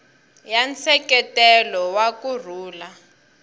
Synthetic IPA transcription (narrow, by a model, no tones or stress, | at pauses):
jant͡sʰɛkɛtɛlɔwakur̤uːla